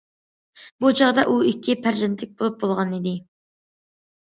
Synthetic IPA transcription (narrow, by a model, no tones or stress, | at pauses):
but͡ʃʰɑʁd̪ɑʔuikʲʰːipʰæɾʒɪnt̪ʰlɪk̚ʲbolˠup̚bolˠʁɑnid̪ɪ